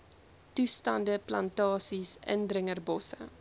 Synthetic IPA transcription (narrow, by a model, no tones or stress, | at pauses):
tustɐndəplɐntɑːsisə̰ndrəŋərbɔsə̰